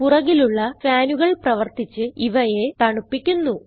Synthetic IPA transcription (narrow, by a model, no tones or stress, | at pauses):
purɐɣiluɭːɐfaːnuɣɐɭprɐʋɐrt̪it͡ɕːɨiʋɐje̞t̪ɐɳupːikʲːunːu